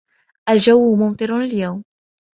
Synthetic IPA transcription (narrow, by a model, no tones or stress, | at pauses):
ʔald͡ʒawːmʊmt̪ˤɨɾɪljawm